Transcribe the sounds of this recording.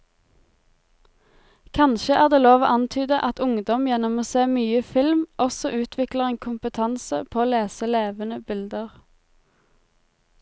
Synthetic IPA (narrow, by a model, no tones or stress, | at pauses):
kʰɑnʃəʔæːʁd̪eːloːʋo̰ːʔɑnt̪ʰyːd̪əʔɑt̪ʊŋd̪ɔmjɛnɔmoːseːmyːəfɪlmʔɔsɔʔʉːt̪ʰʋɪkləʁeːnkʰʊmpət̪ʰɑnsəpʰoːoːleːsəleːʋənəbɪld̪əʁ